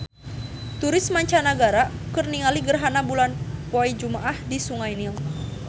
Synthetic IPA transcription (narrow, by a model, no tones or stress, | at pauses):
t̪uɾɪsmaɲt͡ʃanaɡaɾakɨrniŋaliɡərɦanabulanpoid͡ʒumaʔahdisuŋajniŋ